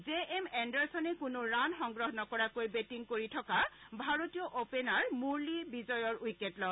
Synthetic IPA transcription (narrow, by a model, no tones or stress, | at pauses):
zeʔɛmɛndɛɹsɔnɛkʊnʊɹanxɔŋɡɹɔɦɔnɔkɔɹakojbetiŋkoɹitʰɔkabʱaɹotijɔʔopenaɹmuɹlibizɔjɔɹujketlɔ